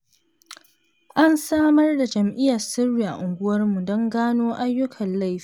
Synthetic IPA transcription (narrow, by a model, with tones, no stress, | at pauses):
ʔa˦nsaː˦mɐ˦rda˨d͡ʒɐ˨mʔɪ˦jɐ˨rsɪ˦rːiː˨ʔa̰˨ʔʊ˨ŋɡʷʊ˦wɐ˦rmu˨dɔ˦ŋɡaː˦noː˦ʔa˦jːʊ˦kʰɐ˨nla˦˨jfi̥ː˦